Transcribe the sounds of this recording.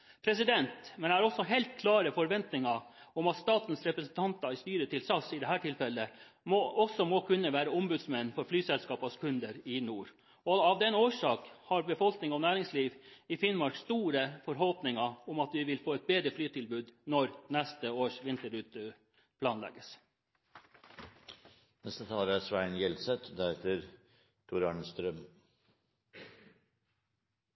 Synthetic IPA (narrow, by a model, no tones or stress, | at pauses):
pʰɾɛsɪd̪ɛnt̪mɛnɛæɾɔsːɔɦɛlt̪̚kʰlɑːɾəfɔɾʋɛnt̪nɪŋɑɔmɑt̪st̪ɑːt̪n̩sɾɛpɾɛsn̩t̪ʰɑnt̪ɑɪst̪yːɾət̪ʰɪlsɑsɪd̪ɛɦæːʈʰɪlfɛlːə | mɔʔɔsːɔmɔkʰʉnːəʋæːɾəʊmbʉd̪smɛnːfɔɾflyːsɛlskɑːpɑskʰʉnd̪əɾɪnuːɾ | ɔɑʋd̪ɛnoːʂɑːkhɑɾbəfɔlknɪŋɔnæːɾɪŋsliːʋɪfɪnmɑɾkst̪uːɾəfɔɾɦɔlpnɪŋɑʊmɑt̪ʋɪʋɪlfoːɛt̪̚beːd̪ɾəflyːt̪ʰɪlbʉːd̪nɔɾnɛst̪əoːʂʋɪnt̪əɾʉːt̪ə | pʰlɑːnlɛ̰ɡəs | nɛst̪ət̪ʰɑːlæsʋæɪnjɛlsɛt̪d̪æɛt̪əɾ | t̪ʰʊɾɑːɳəst̪ɾœm